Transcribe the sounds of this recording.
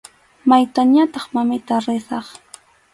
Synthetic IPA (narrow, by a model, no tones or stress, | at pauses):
majt̪aɲat̪ɑχmamɪt̪aɾɪsɑχ